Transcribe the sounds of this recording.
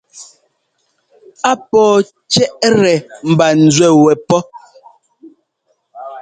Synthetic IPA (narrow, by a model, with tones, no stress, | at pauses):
a˦pɔː˨ | t͡ʃɛ˦ʔɾɛ˨m̩˨ba˨n̩˨zwɛ˦˨wɛ˨pɔ˦